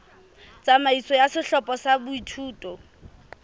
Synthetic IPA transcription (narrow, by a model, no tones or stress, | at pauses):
t͡samaisɔjasɪɬɔpʼɔsabʊitʰuːtʼɔ